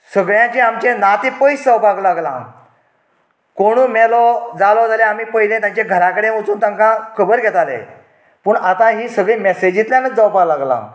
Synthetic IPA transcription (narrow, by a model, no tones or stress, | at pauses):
səɡɭjãt͡ɕiamt͡ɕẽnat̪ẽpəjsd͡zəwpaɡlaɡlã̰ | koɽ̃uːmɛlɔd͡zalɔd͡zalẽamiːpəɦilẽt̪jãɲt͡ɕeɡʱəɾakəɽeot͡suːnt̪ãŋkãkʰəbəɾɡʱɛt̪alḛ | puːɳat̪ãɦiːsəɡɭẽmɛsed͡ʑĩt̪ljãnəd͡zəwpaɡlaɡlã̰